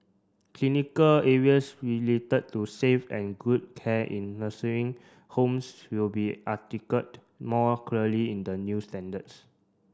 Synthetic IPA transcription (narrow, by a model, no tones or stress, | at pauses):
kʰlinikəlɛɹiəsɹiletəd̚tusefɛ̰̃nɡud̚kʰɛʔḭ̃nləsəĩŋ | hõmswilbiʔatikət̚ | mɔkʰəliĩndənjustɛ̃ndəts